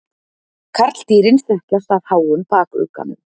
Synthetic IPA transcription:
kʰaɾ̥t̪l̥t̪iːɾɪnsθœhplast̪að̥haːwʏmpaːkʏ̰ːka̰nʏm

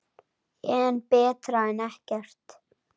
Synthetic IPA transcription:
ɛːnpɛːt̪ɾaɛnɛhkɛɾ̥t̪

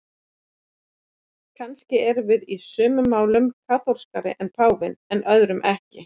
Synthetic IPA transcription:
kʰanscɪɛɾvɪðisœːmʏmaːwlʏmkʰaːθowɾ̥skaɾɪ̰ʔɛnpʰaːwvɪnɛnʔœðɾʏmʔɛhcɪ

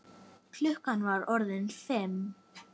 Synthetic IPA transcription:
kʰlʏhkanvaɾɔɾðɪnθɪm

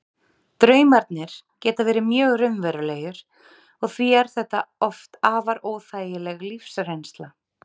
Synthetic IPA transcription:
t̪ɾœːɥmaɾt̪nɪɾ̥ | cɛːt̪avɛːɾɪmjœːɣrʏmvɛɾʏleːjʏɾ̥ | ɔɣθviɛɾ̥θɛht̪aɔft̪aːvaɾoːwθaːjɪlɛɣlifsrejnst̪la

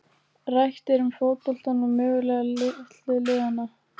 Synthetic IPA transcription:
rajxt̪ɛɾʏmfoːwt̪ɔl̥t̪anːʏmːʏːɣʏlɛɣt̪lɪlɪːɣanːa

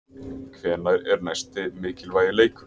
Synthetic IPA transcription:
kʰvɛːnaɾɛɾnajst̪ɪmɪːcɪlvaːjɪleːjkʏ̥

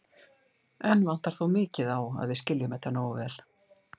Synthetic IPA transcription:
ɛnːvan̥t̪aɾ̥θowmɪːcɪðawa̰ðvɪðscɪljʏmɛht̪ːanoːwvɛːl̥

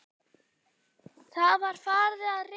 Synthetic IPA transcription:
θaðvaɾ̥faːɾðɪaðrɪ

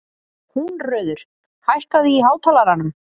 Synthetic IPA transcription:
hunrœːɥðʏɾ̥ | hajhkaðiːɦaːwt̪ʰaːlaɾanʏm

